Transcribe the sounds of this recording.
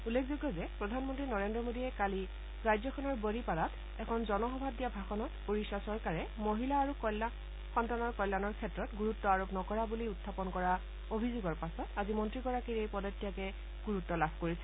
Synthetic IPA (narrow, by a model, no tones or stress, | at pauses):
ulːekʰzoɡːɔzɛpɹɔdʱanmɔntɹinɔɹendɹɔmodiɛkali | ɹajzɔkʰɔnɔɹboɹipalat | ɛkʰɔnzɔnɔxɔbʱab̚dijabʱaxɔnɔtpoɹisasɔɹkaɹɛmoɦilaːɹukɔla | kʰɔntanɔɹkɔjlːanɔɹkʰɛtɹɔtɡuɹutːɔaɹopnɔkɔɹabuliutʰːapɔnkɔɹa | obʱizuɡɔɹpasɔtazimɔntɹiɡɔɹakiɹejpɔdɔtːijakɛ | ɡ̥uɹutːɔlabʱkoɹisɛ